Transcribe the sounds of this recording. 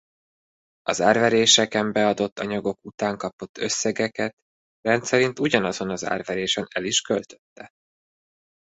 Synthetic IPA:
ɒzaːrvɛɾeːʃɛkɛmbɛɒd̪o̞t̪ːɒɲɒɡo̞kut̪aːŋkɒpo̞t̪ːø̞sːɛɡɛkɛt̪ | rɛnt̪sɛɾint̪uɟɒnɒzo̞nɒza̰ːrvɛɾeːʃɛnɛliʃkølt̪ø̥t̪ːɛ

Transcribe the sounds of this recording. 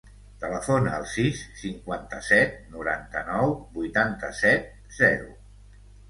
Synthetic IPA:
t̪ələfonəːlˠsisːiŋkwant̪əsɛt̪̚nuɾa̰nt̪ənɔwbujt̪ant̪əsɛt̪̚ | z̥ɛɾṵ

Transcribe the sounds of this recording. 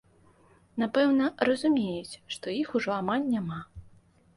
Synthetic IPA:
napɛwnɐrɐzumʲejut͡sʲʂt̪ɔjixuʐɔamalʲnʲama

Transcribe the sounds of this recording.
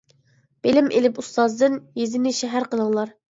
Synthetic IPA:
b̥elɪmʔelɪpust̪ɑzd̪ɨnjezɪnɪʃɛɦæɾqələŋlˠɑɾ

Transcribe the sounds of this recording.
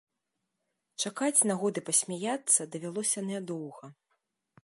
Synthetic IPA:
t͡ʂakat͡sʲnaɣɔd̪ɨpɐsʲmʲajat̪sːɐd̪ɐvʲalˠɔsʲɐnʲɛd̪ɔwɣɐ

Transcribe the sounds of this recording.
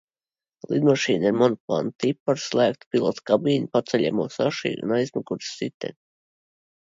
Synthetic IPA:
lˠid̪maʃiːniɾmɔnɔplˠa̰ːnt̪ipːaɾslˠæːk̚t̪pilˠɔt̪kabiːnpat̪sɛʎʲɛ̰muɔsaʃḭːʔṵnajzmakuɾssit̪ɛ̰

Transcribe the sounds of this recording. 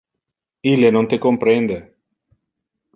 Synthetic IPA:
ilenõnt̪ekompɾend̪e

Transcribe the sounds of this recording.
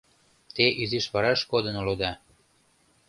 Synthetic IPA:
t̪eʔyziʃβɑɾɑʃkod̪ɤ̆nolod̪ɑ

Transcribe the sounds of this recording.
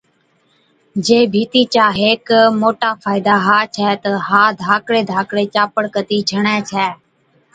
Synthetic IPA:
d͡ʒeːbʱiːt̪iːt͡ʃaːɦeːkmoːʈaːfʰaːɪd̪aːɦaːt͡ʃʰɛːt̪əɦaːd̪ʱaːkɽeːd̪ʱaːkɽeːt͡ʃaːpəɽkət̪iːd͡ʒʱəɳɛːt͡ʃʰɛː

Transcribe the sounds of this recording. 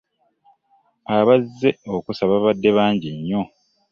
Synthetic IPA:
aβazːe̞o̞kusaβaβadːe̞βaːɲɟiɲːo̞

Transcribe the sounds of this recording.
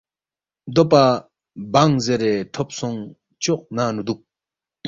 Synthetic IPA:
d̪opa | baŋzeɾeːt̪ʰop̚sʰɔŋ | t͡ɕoʔ̚nanud̪uk̚

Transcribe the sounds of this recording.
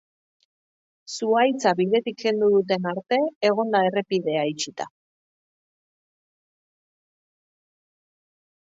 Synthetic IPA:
suajt͡saβið̞e̞t̪ikɡe̞nd̪uðut̪̬e̞naɾt̪e̞ːɣ̞o̞nd̪ae̞re̞piðe̞ait͡ʃit̪a̰

